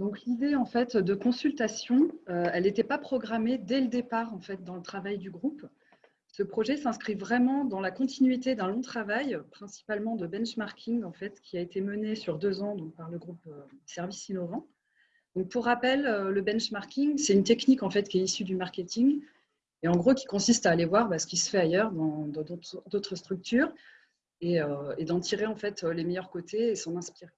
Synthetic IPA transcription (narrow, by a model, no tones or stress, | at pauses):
d̪ɔ̃klid̪eɑ̃fɛt̪d̪əkɔ̃sylt̪asjɔ̃øɛlet̪ɛpapχɔɡʁamed̪ɛləd̪epaʁɑ̃fɛt̪̚d̪ɑ̃lət̪χavajd̪yɡʁup | səpχɔʒɛsɛ̃skχivʁɛmɑ̃d̪ɑ̃lakɔ̃t̪ʰinɥit̪ed̪ɛ̃lɔ̃t̪χavajpχɛ̃si̥palmɑ̃d̪əbɛ̃nʃmaʁkʲʰiŋɡɑ̃fɛt̪kʲiaet̪emənesyʁd̪øzɑ̃d̪ɔ̃k̚paʁləɡʁupød̪sɛʁvisinɔvɑ̃ | d̪̥ɔ̃k̚puʁːapɛløːəbɛnʃmaʁkʲiŋsɛt̪ynt̪ɛknikɑ̃fɛt̪kʲiɛisyd̪ymaʁkʲet̪iŋ | eɑ̃ɡʁokʲi̥kɔ̃sist̪aːlevwaʁbasə̥kʲisə̥fɛajœʁd̪ɑ̃d̪ɑ̃d̪ot̪d̪ot̪χəst̪χyk̚t̪ʰyːʁ | eøed̪ɑ̃t̪ʰiʁeɑ̃fɛt̪ølemɛjœʁkot̪ʰeesɑ̃nɛ̃spiʁe